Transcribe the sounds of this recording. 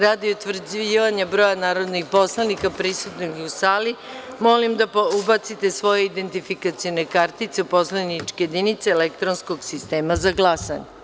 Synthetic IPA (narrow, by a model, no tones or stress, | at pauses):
ɾaːd̪iot̪ʋr̩d͡ʑiːʋaɲabɾo̞ːjanaːɾo̞d̪nixpo̞slˠanikapɾisut̪noɡusaːli | mo̞limd̪apubat̪sit̪e̞sʋo̞je̞id̪e̞nt̪ifikat̪sijone̞kaɾt̪it̪seupo̞slanit͡ʃkejed̪init̪seelekt̪ɾonskoɡsist̪eːmazaɡlˠasa̰ɲe